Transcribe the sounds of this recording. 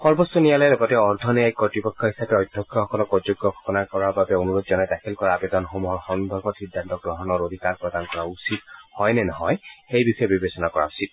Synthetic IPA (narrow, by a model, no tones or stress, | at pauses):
xɔɹbɔstɔnijalɔjɛlɔɡɔtɛɔɹd̪ʱɔneajkɔtɹipɔkʰːɔɦisapɛɔjd̪ʱɔkʰːjɔxɔkɔlɔkɔd͡ʒuɡjɔkʰɔ̥kɔnaɹkɔɹaɹbabɛonuɹod̪zɔnɛtakʰelkɔɹaːbed̪ɔnxomuɦɔɹxɔnbʱɔɹbɔtsidʱːantɔɡɹɔɦɔnɔɹod̪ʱikaɹpɹɔd̪ankɔɹausithɔjnɛnɔɦɔjxejbixɔjɛbibesɔnakɔɹa̰usit̚